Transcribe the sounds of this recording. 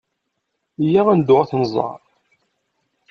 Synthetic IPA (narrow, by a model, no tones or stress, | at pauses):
jaʁænd̪ʊʁaθnəzˤɑ̰ɾˤ